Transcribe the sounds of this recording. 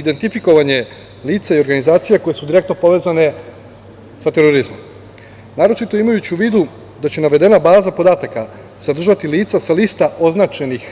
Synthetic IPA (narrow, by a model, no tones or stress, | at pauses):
id̪e̞nt̪ifiko̞ʋaɲe̞ | liːt̪saio̞ɾɡanizaːt̪sijako̞je̞sud̪iɾe̞k̚t̪no̞po̞ʋe̞ːzane̞ | sat̪e̞ɾoɾizmo̞m | naːɾo̞t͡ʃit̪o̞imajut͡ɕuʋiːd̪u | d̪at͡ɕe̞naʋe̞d̪e̞nabaːzapo̞d̪aːt̪aka | sad̪r̩ʒat̪iliːt̪sasaliːst̪aʔoznaːt͡ʃe̞nix